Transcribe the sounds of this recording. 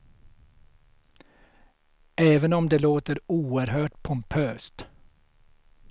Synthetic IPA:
ʔɛːvənɔmd̪eloːt̪əɾuːəɾhøːʈpʰʊmpʰøːst̪

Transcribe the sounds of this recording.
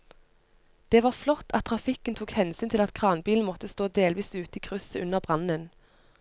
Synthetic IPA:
d̪̥eːʋɑːʁflɔt̪ʰːɑt̪ʰːʁɑfɪkənt̪ʰuːkhɛnsyːnt̪ʰɪlɑt̪kʰʁɑːnbiːln̩mɔt̪əst̪oːd̪eːlʋiːsʉːt̪iːkʰʁʉsəʉnəʁbʁɑnən

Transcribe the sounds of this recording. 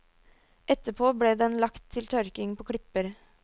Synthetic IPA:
ʔɛt̪əpʰoːbɽeːd̪ɛnlɑkt̪ʰːɪlt̪ʰœɾkɪŋpʰoːkʰɽɪpəɾ

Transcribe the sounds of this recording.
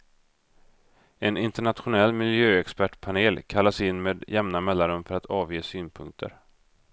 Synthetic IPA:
ɛnɪnt̪ɛɳat̪ɧʊnɛlːmɪljøːɛkspæʈpʰaneːlkʰalːasɪnːmeːd̪jɛmnamɛlːaɾɵmfœɾat̪ʰɑːvjeːsyːnpʰɵŋk̚t̪ʰə̰ɾ

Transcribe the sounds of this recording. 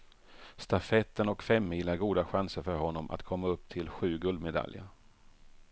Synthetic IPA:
st̪afɛt̪ːənɔkfɛmːiːlaɾɡuːd̪aɧansəɾfœɾhɔnːɔmʔa̰t̪kʰɔmːaɵpːt̪ʰɪlɧʉ̟ːɡɵld̪mɛd̪a̰ljə̰

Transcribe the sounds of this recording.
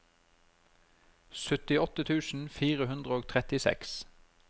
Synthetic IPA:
sʉt̪ɪɔt̪ət̪ʰʉːsn̩fiːʁəhʉnd̪ʁəoːɡt̪ʰʁɛt̪ɪsɛ̰ks

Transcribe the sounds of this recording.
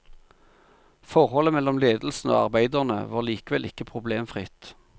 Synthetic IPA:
fɔʁhɔləmɛlːɔmleːd̪l̩sn̩o̰ːɑ̰ʁbæɪd̪əʁnə̰ʋɑːʁliːkəʋɛlʔɪkːəpʰʁʊbleːmfʁɪt̪

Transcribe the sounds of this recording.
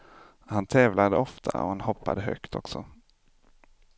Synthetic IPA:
hant̪ʰɛːvlad̪əɔft̪ʰa̰ɔ̰hanhɔpːa̰d̪əɦœ̰kt̪ʰɔ̰ksɔ

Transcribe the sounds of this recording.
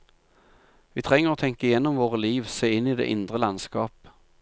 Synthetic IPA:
ʋiːt̪ʰʁɛŋːəʁoːt̪ʰɛŋkəɪjɛnːʊmʋoːʁəliːʋseːɪnːiːd̪ḛːʔɪnd̪ʁəlɑnskɑːp

